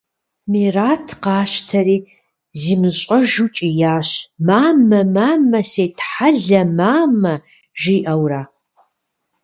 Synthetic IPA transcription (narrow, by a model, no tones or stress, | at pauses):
miːraːtʰqɑːɕtʰɐriː | ziːmɨɕʼɐʒut͡ʃʼijaːɕmaːmɐmaːmɐseːtʰħaɮɐmaːmɐ | ʒiːʔɐwraː